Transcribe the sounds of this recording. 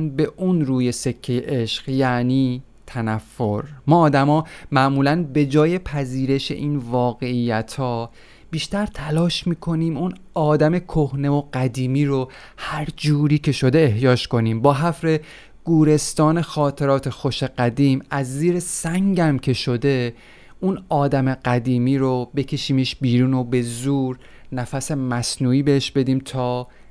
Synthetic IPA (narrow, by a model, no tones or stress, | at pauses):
nbe̞ʔunɾuːje̞se̞cʰːe̞jeʔeʃɢ̥jæniː | t̪ʰænæfːo̞ɾmɒːd̪æmɒːmæʔmuːlænbe̞d͡ʒɒːje̞pʰæziːɾe̞ʃe̞̰ʔiːnvɒːɣe̞iːjæt̪ʰhɒː | b̥iːʃt̪æɾt̪ʰælɒːʃmiːkʰo̞niːmun | ɒːd̪æme̞kʰohne̞voɢ̥æd̪iːmiːɾo̞ | hæɾd͡ʒuːɾiːcʰe̞ʃo̞d̪e̞ːɦjɒːʃko̞niːmbɒːɦæfɾe̞ | ɡ̥uːɾe̞st̪ɒːne̞xɒːt̪ʰe̞ɾɒːt̪ʰe̞xo̞ʃe̞ɢæd̪iːmæzːiːɾesæŋɟæmcʲʰe̞ʃo̞d̪e̞ | unɒːd̪æme̞ɢæd̪iːmiːɾobe̞cʰe̞ʃiːmeʃbiːɾuːno̞be̞zuːɾ | næfæse̞mæsnuːiːbeheʃbe̞d̪iːmt̪ʰɒː